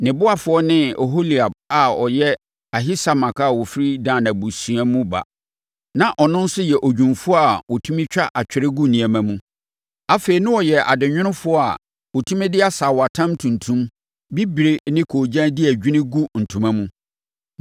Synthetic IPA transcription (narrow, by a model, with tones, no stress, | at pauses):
nɪ̃˨bʊ˦a˦fʊ˨˦ɔ˦nɪ̃˦o˨ɦo˦li˨a˨b̚a˨ɔ˨jɛ˦ | a˨ɦi˦sa˦mã˨ka˦˨wɔ˨fi˦ɾi˦dãː˨nã˨bu˨sĩ˨a˦mũ˦ba̰˨ | nã˨ʔɔ˨nʊ̃˦n˦sʊ˦jɛ˨ʔo˨d͡ʑᶣũ˨nfʊ˦ɔ˦a˨wɔ˨tʰũ˦mɪ̃˦t͡ɕᶣa˦ʔa˨t͡ɕᶣɪ˨ɾɪ˦ɡu˦nĩ˨a˨mã˨mũ˦ | a˦fe˨ɾi˨nʊ̃˦wɔ˨jɛ˨ʔa̰˨dɪ˨ɲᶣɪ̃˦nʊ̃˦fʊ˦ɔ˦a̰˨ | wo˨tʰũ˦mɪ̃˦dɪ˦a˦saː˨wɔ˨a˨tʰã˦mtʰũ˨ntʰũ˦m | bi˦bi˨ɾe˦nɪ̃˦kʰoː˨d͡ʑã˦dɪ˦æ˨d͡ʑᶣi˦nɪ̃˦ɡu˦n̩˨tʰũ˨mã˦mũ˦